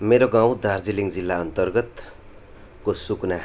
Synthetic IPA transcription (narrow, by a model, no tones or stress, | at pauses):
meɾoɡãw̃d̪ard͡ziliŋd͡zilːaʌnt̪ʌrɡʌt̪ | kosukna